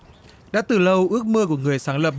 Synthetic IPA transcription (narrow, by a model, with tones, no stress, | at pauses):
ɗa̰ː˧˥t̪ɨ˨˩lə˧wʔɨ˦˥ək̚mɨ˧əku˧˩əŋɨ˨˩əjsaː˨˦ŋlə˨˩p̚